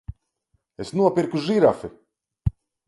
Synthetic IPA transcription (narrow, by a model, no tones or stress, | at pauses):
esnuɔpiɾkuʒiɾafi